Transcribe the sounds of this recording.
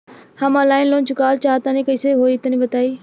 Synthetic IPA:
hamãːlaːɪnlõːnt͡ʃʊkaːlt͡ʃaːt̪ãːnĩːkəɪseːɦoːiːt̪ənĩːbət̪aːiː

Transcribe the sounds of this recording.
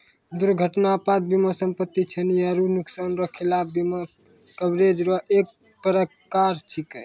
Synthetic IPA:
d̪uɾɡʱəʈnapat̪̚biməsəmpət̪ːit͡ʃʰənijaɾunuksanɾɔkʰilapbimə | kəbɾed͡ʒɾɔʔek̚ | pəɾə | kaɾt͡ʃʰikəj

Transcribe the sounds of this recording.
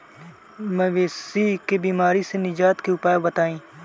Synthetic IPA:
mɛ̃ʋeːsikebiːmaːɾisenɪd͡ʒaːt̪keʊpaːjbət̪aːĩː

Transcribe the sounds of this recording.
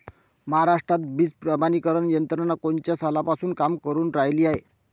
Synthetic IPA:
məɦaɾaʂʈɾat̪̚biːt͡spɾəbanikəɾəɳjənt̪ɾənakont͡ɕjasalapasuːnkamkəɾuːnɾajliːaɦe

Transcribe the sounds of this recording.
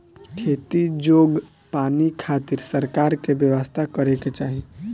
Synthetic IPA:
kʰeːt̪id͡ʒoːɡ | paːnikʰaːt̪ɪɾsəɾkaːɾkebjəʋəst̪ʰakəɾeket͡ʃaːɦi

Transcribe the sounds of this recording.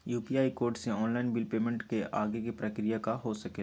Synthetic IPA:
juːpiaːikoːɾʈseɔːnlaːɪnbɪlpeːmẽɳʈkeʔaːɡekipɾɐkɾijakaɦosɐke

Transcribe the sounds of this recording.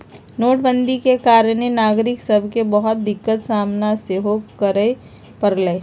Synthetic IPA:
noːʈ̚bənd̪ikekaːɾənenaːɡɾɪksəbʱkebəɦʊt̪̚d̪ɪkːət̪saːmnaseɦokəɾə | pəɾləː

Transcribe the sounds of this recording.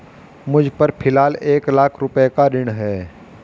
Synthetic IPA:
mʊd͡ʒʱpɐɾpʰɪlaːleːklaːkʰɾʊpekaɾɪɽ̃ɦɛː

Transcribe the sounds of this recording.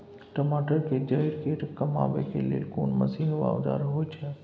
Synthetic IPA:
ʈəmaːʈəɾked͡ʒɐiɾkeʈkɐma̰ːʋḛkelḛːlkoːnmɐ̰sinʋa̰ːʋd̪a̰ːɾɦojt͡ʃʰɛ

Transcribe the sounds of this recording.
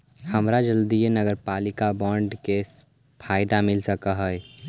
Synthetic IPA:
həmɾad͡ʒəld̪ijenəɡəɾpaːlɪkabɔ̃ːɳɖkeːs | pʰaːɪd̪amɪlsəkaɦəj

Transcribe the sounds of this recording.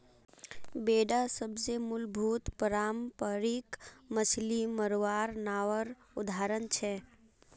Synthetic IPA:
beɖasəbd͡ʒemulbʱut̪pəɾampəɾikməsliməɾʋaɾnaʋəɾ | ud̪ʱaɾənt͡ʃʰɛ

